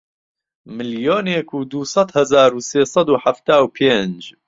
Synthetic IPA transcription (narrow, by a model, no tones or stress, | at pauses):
mɨljoːneːkʰuːd̪uːsˤɑt̪hɐzaːɾuːseːsˤɑd̪uːħaft̪aːwpʰeːnd͡ʒ